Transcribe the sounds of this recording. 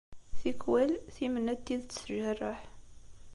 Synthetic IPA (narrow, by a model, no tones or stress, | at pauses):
θikwælθimənːæt̪ːiðt͡sːsəʒərˤːəħ